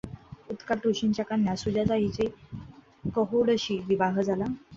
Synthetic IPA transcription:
ut̪kaʈuɕint͡ɕakaɳjasud͡ʑad͡zaɦit͡se | kəɦoɽəɕiːʋiʋaɦd͡zʱala

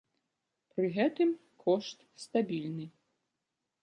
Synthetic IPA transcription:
pɾɨɣɛt̪ɨm | kʰɔʂt̪st̪abʲilʲnɨ

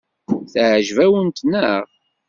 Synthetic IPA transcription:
θʕʒvæwənt̪nəʁ

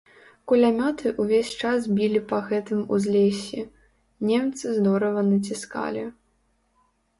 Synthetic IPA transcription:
kulʲamʲɔt̪ʰɨʔuvʲesʲt͡ʂasbʲilʲipɐɣɛt̪ɨmṵzʲlʲesʲi | nʲɛmt̪sɨzd̪ɔɾɐvɐnɐt͡sʲiska̰lʲi

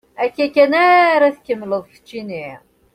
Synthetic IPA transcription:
ækːækːænæɾæθkəmːləðˤfə̥t͡ʃːiniʁ

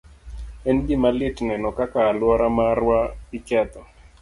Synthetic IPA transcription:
ɛnɡɪmalɪtnɛnɔkakaːlwɔɾamarwaɪt͡ʃɛt̪ɔ

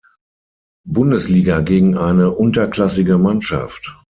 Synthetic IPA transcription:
bʊndəsliːɡaɡeːɡŋ̩ʔaɪnəʔʊntɐklasɪɡəmanʃa̰ft

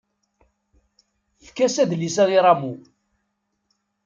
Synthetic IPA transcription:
θkːæsæðlisæʁiɾˤamu

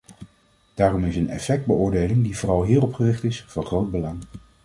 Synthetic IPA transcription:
d̥aːrɔmɪsənɛ̰fɛk̚d̚bəʊːɹdejlɪŋdivʊːrɑlˠɦiːrɔpχərɪχtɪsvɑnχrowd̚bəlɑŋ

